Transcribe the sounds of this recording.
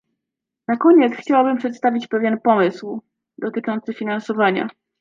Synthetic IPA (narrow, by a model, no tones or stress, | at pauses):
nakɔɲɛt̪sxt͡ɕawabɘmpʂɛt̪st̪avʲit͡ɕpɛvʲjɛnpɔmɘsw | d̪ɔt̪ɘt͡ʂɔnt̪sɘfʲinansɔvaɲa̰